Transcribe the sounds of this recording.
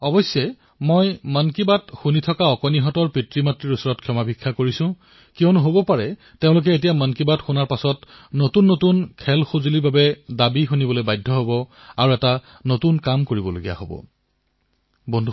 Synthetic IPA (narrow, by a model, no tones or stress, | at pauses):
ɔbɔsːjɛ | mojmankibatxunitʰɔkaɔkɔniɦɔtɔɹpɹitɹimatɹiɹusɔɹɔtkʰjɔmabʱikʰːakoɹisʊ̃ | kiɔ̃nʊɦobɔpaɹɛ | tẽʊ̃lʊk̬ɛetijamankibatxunaɹpasɔt | notunːotunkʰɛlxozulibabɛdabixunibɔlojbajdʱːɔɦobɔaɹuɛta | notunkamkoɹibɔlo̰ɡḭja̰ɦobɔ̰ | bɔndʱu